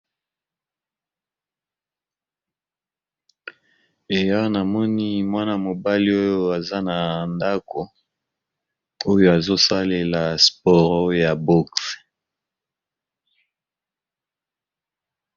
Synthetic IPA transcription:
e˨ja˦na˨mɔ˦ni˦mwa˦na˨mo˨ba˦li˦o˦jo˦a˨za˦na˨nda˦ko˨ | o˦jo˦˨a˨zo˦sa˦le˨la˨spɔ˨ʁo˦˨ja˨bo˦ks

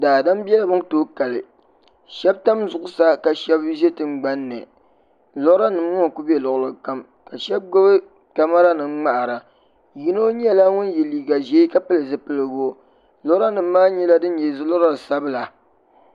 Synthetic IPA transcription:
daː˨da˦mbɛ˦la˦bɨ˦ŋtoː˦ka˨lɨ˨ | ʃɛ˦b̚ta˦mzʊ˨ʔʊ˦sa˦ka˨ʃɛ˦bʒɛ˦tɨ˦ŋ͡mɡ͡ba˦nːɨ̰˨ | lɔ˦ɾa˦nɨ˨mŋɔ˦ŋ˨ku˦bɛ˨lʊ˨ʔlɨ˨ka˦m | ka˨ʃɛ˦b̚ɡo˦bɨ˦ | ka˦ma˦ɾa˦nɨ˨ŋ͡mŋ͡ma˦ʔa˨ɾa˨ | ji˦no˦ɲ˦ɛ˦la˦ŋʊ˦n˦jɛ˨liː˨ɡa˨ʒɛ˨˦i˦ka˦pɨ˦lɨ˨zɨ˦pɨ˦lɨ˨ɡo˦ | lɔ˦ɾa˦nɨ˨mː˦aː˦ɲɛ˦la˦dɨ˦n˦ɲɛ˨zɨ˦lɔ˦ɾa˦˨sa˦bɨ˦la˨

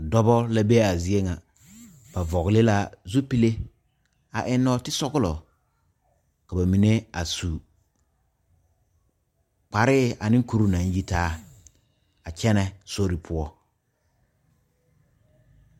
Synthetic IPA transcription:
dɔ˦bɔ˦la˦be˦a˨zi˦e˦ŋa˨ | b̥a˨vɔ˨ɣɪ˨lɪ˦la˦zu˦pi˦le˦ | a̰˨ʔɪ˦nːɔ˦tɪ˦sɔ˦ɣʊ˦lɔ˨ | ka˨ba˨mi˨ne˦a˨su˨ | k͡pa˨ɾɪ˦a˨nɪ̃˦ŋ˦ku˦ɾu˦nã˨n˦ji˦taː˦ | a˨t͡ʃɛ˦nɛ˨so˦ɾi˨pʰʊ˦ɔ˦

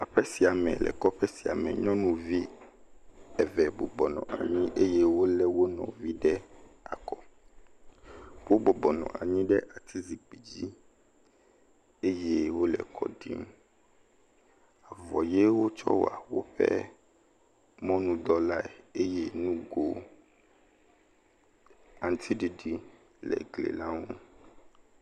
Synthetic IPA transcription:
a˨ɸɛ˦si˨a˨mɛ̰̃˨lɛ̰˨kɔ˦ɸɛ˦si˨a̰˨mɛ̰˨ɲɔ̃˦nũ˦vi˦ | ɛ˨vɛ˨bo˨bɔ˨nɔ̰̃˨a̰˨ɲĩ˦ʔe˦je˦wo˦lɛ˦wo˦nɔ̰̃˨vi˦ɖɛ˦a̰˨kɔ˦ | wo˦bɔ˨bɔ˨nɔ̰̃˨a̰˨ɲĩ˦ɖɛ˦ʔa˨t̪ʰi˦zi˨k͡pi˨d͡ʑi˦ | e˦je˦wo˦lɛ̰˨kʰɔ̰˨ɖḭ˦m | a˨vɔ˨je˦wo˦t͡ʃɔ̰˦wa˨wo˦ɸɛ̰˦ | mɔ̃˦nũ˦d̪ɔ˦la˦e˨e˦je˦nũ˦ɡo˦ | a˨nt̪ʰi˦ɖi˨ɖi˨ | lɛ̰˨ɡlḛ˨la˦ŋo˦

